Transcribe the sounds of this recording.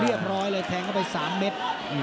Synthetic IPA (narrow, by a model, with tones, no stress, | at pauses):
ɾi˥˩əp̚ɾɔː˦˥jlɤː˧jt̪ʰɛː˧ŋkʰa˥˩pa˧jsaː˩˦mːe˦˥t̪̚ː